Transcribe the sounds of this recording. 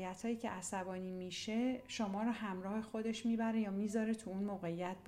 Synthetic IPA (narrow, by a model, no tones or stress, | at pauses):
jæt̪hɒːjiːcʰe̞̰ʔæsæbɒːniːmiʃe̞ʃomɒːɾɒːhæmɾɒːhe̞xo̞d̪e̞ʃmiːbæɾe̞jɒːmiːzɒːɾe̞t̪ʰuunmoːɣeijæt̪̚